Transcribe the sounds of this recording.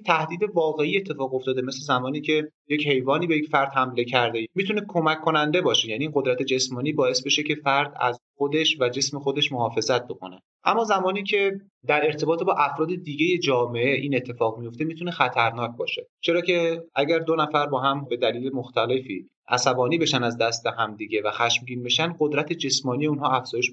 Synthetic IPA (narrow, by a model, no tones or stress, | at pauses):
t̪ʰæhd̪iːd̪evɒːɣe̞iːe̞t̪ʰːe̞fɒːɣo̞ft̪ɒːd̪eme̞slezæmɒːniːcʰe̞ | jeche̞jvɒːniːbejecfæɾd̪̥hæmle̞cʰæɾd̪emit̪ʰunekʰo̞mæcʰːo̞nænd̪e̞bɒːʃejæːniːɢo̞d̪ɾæt̪ʰe̞d͡ʒe̞smɒːniːbɒːe̞sbe̞ʃe̞cʰe̞fæɾd̪æ̰zxod̪e̞ʃvæd͡ʒe̞sme̞xo̞d̪e̞ʃmoɦɒːfe̞zæt̪̚bo̞kʰone | ʔæ̰mːɒːzæmɒːniːcʰe̞ | d̪æɾe̞ɾt̪ʰe̞bɒːt̪ʰebɒːʔæfɾɒːd̪e̞d̪iːɟeje̞d͡ʒɒːme̞eʔiːne̞t̪ʰːe̞fɒːɣmijo̞ft̪e̞miːt̪ʰunexæt̪ʰæɾnɒːc̚ʰbɒ̰ːʃe̞t͡ʃʰe̞ɾɒːcʰeʔæɟæɾd̪onæfæɾbɒːɦæmbe̞d̪æliːlemoxt̪ʰæle̞fḭː | ʔæ̰sæbɒːniːbe̞ʃænd̪æzd̪æst̪eɦæmd̪iɟe̞væxæʃmɟiːnbe̞ʃænɢod̪ɾæt̪ʰed͡ʒe̞smɒːnijeunɦɒːæfz̥ɒːjeʃ